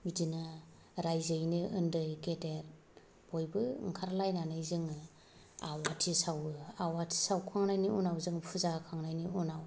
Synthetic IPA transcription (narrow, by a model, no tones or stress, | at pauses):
bidina | ɾajzɯjnɯɯndɯjketeɾ | b̥ɔjbɯ̰ŋkʰaɾlajnanɯjzɯŋ | awatʰisawɯawatʰi̥sawkʰaŋnajniunawzɯŋpʰuzakʰaŋnajniunaw